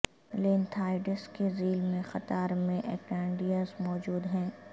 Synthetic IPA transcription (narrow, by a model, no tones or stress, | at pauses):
leːnt̪ʰaːɪɖɪskeziːlmẽxɐt̪aːɾmẽʔɛːkɛ̃ːɳɖijazmɔːd͡ʒuːd̪ɦɛ̃ː